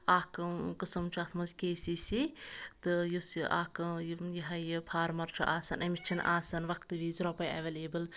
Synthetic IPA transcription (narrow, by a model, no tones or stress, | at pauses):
aːkɨkɨsɐmt͡ʃʰat̪ʰmɐzkeːsisit̪ɨjusiʔa̰ːkɨjjiɦɐjɨpʰaːɾmɐɾt͡ʃʰuʔaːsɐnʔɐmit͡ʃʰɐnʔaːsɐnʋɐkʰt̪ɨʋizɾɔpɐja̰ʋeleːbɨl